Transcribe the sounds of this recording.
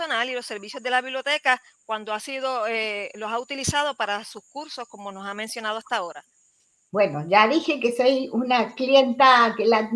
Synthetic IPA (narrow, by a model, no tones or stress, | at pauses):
onalilo̞se̞ɾβisjo̞zðe̞laβiβljo̞t̪ekakwand̪oasið̞o̞elosaut̪ilisað̞o̞paɾasuskuɾso̞hko̞mo̞no̞samẽnsjo̞nað̞oast̪ao̞ɾa | bwe̞no̞ʒaðixekesojunakljent̪akela